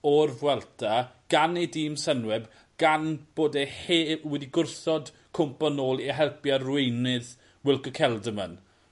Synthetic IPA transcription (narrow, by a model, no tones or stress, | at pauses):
ɔrvwɛlˠtʰa | ɡ̥anejdiːmsənwɛb | ɡ̥anb̥oːdeheːwɛdiɡʊrθɔd | kʰʊmpanoːlˠiɦɛlˠpjarwejnɪð | wɪlˠkəkʰɛlˠdəmə̰n